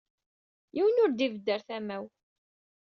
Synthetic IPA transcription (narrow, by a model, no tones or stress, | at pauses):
jiwənʊɾd̪ivəd̪ːəɾθæmæw